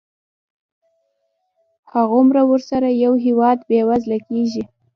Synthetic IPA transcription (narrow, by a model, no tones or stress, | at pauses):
haɣomɾawəɾsaɾajawɦɪwɑd̪bewazlakeʒi